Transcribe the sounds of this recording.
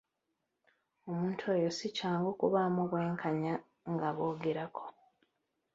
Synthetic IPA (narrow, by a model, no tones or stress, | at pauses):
o̞muːntʰue̞ːjosicaːŋɡokuβamoβwe̞ːŋkʰaɲa | ŋɡaβo̞ːɡeɾakʰo̞̥